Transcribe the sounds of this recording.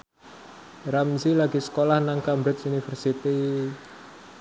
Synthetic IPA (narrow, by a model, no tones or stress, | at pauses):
ɾamsilaɡisə̥kolahnaŋkambɾɪsunifərsit̪i